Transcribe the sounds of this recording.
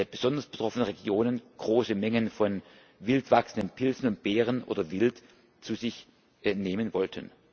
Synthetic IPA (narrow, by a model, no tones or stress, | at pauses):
b̥əz̥ɔndɐsb̥ətʁ̥ɔfənəʁeɡjoːnənɡ̥ʁoːsəmɛŋənfɔn | vɪltv̥aksən̩dənpʰɪlzn̩ʊnt̚b̥ɛːʁ̞ənʔo̰ːdɐvɪlt | t͡suːzɪç | neːmənvɔltʰən